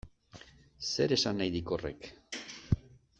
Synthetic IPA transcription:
se̞ɾe̞sanːajðikore̞̰k

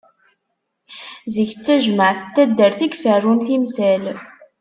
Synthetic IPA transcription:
ziçət͡sːæʒməʕθət̪ːæd̪ːəɾθiɡfərˤːunθimsæl

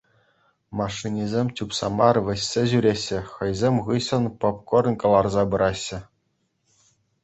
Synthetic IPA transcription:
mɑʂːinʲizʲemʲt͡ɕʲupsɑ̰mɑrʋʲɘ̆ɕːʲeʑyɾʲeɕːɘ̆xɤ̆jzʲemʲʁɯɕɤ̆npɤ̆p̚kŏɾ̆nkɤ̆lˠɑrzɑbɤ̆ɾʔɑɕːɘ̆

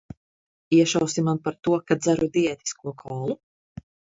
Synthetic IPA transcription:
iɛʃawsimanpaɾt̪uɔkad̪d̪zaɾud̪iɛt̪i̥skuɔkʰɔːlˠu

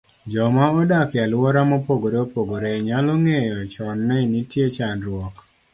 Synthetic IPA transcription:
d͡ʒɔmaɔdakjalwɔɾamɔpoɡoɾeopoɡoɾeɲaloŋejɔt͡ʃɔnːɛnitjet͡ʃanɾwɔk

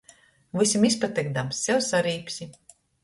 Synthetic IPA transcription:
vɨsʲimispat̪ɛɡd̪amsːɛwsaɾiːpʲsʲi

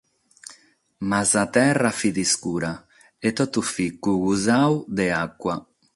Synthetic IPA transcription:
mazat̪ɛrafid̪iskuɾa | et̪ot̪ufikuɣuzawd̪eakwa

